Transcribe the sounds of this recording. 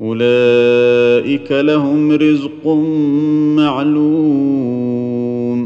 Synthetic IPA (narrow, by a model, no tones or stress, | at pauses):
ʔʊlaː | ʔɪkalahʊmɾɪzq | maʕluː | m